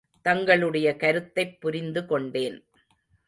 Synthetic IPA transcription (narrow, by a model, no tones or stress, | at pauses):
t̪ɐŋɡɐɭɯɽɐjɐkɐɾɯt̪ːɐɪpːʊɾɪnd̪ɯkɔɳɖeːn